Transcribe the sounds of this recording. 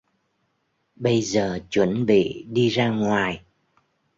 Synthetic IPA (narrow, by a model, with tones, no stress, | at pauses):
ɓə˧jzəː˨˩t͡ɕwə˧˩nɓḭ˧˨ɗi˧zaː˧ŋwaː˨˩j